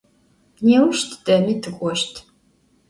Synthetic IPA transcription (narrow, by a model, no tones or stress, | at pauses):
neːwʊʃtʰd̥ɐmiːtʰɨkʷʼɔʃtʰ